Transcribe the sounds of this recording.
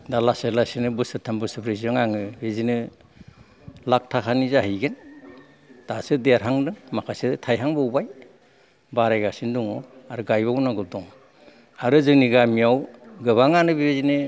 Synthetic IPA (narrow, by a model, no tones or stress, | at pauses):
dalaselasinɯbɯsɯtʰambɯsɯpʰɾeziɯŋaŋɯbezinɯ | lak̚tʰakʰanizahɯjɡen | tasɯdeɾɦaŋdɯŋmakʰasedɯtʰajɦaŋbɯubaj | baɾajɡasinduŋɔaɾɯɡajβaunaɡɯdɔŋ | aɾɯzɯŋniɡamiawɡɯβaŋanɯbibezinɯ